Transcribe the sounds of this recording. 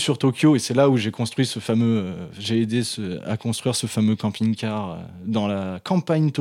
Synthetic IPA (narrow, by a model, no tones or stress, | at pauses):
syʁt̪ɔkʲjoesɛlauʒekɔ̃st̪χɥisəfamøʒeːd̪esəa̰kɔ̃st̪χɥiʁsəfamøkɑ̃piŋkaʁø̰d̪ɑ̃lakɑ̃paɲt̪